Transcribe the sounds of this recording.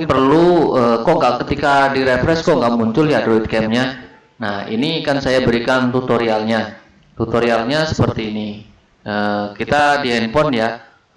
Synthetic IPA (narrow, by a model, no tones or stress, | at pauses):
pərluəːkɔʔŋɡaʔkət̪ikadiɾefɾɛskɔŋɡaʔmuɲt͡ʃʊljadɾoit̪̚kɛmɲa | nahḭnikansajabəɾikant̪ut̪oɾialɲa | t̪ut̪oɾialɲasə̥pərt̪iːni | əːkit̪adiɦɛnpɔnja